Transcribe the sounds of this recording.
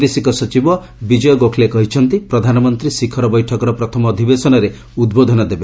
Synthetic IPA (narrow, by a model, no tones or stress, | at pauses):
esikɔsɔt͡ʃibɔ | bid͡ʒɔjɔɡokʰlekɔɦit͡ʃʰɔnt̪ipɾɔd̪ʱanɔmɔnt̪ɾisikʰɔɾɔbɔjʈʰɔkɔɾɔpɾɔt̪ʰɔmɔːd̪ʱibesɔnɔɾe | ud̪bod̪ʱɔnɔd̪ebe